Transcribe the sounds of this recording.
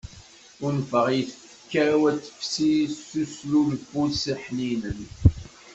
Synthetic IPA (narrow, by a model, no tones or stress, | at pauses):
ʊɾnfəʁjθə | əkːaɾawæt͡sːə̥fsisuslulfulsiħninən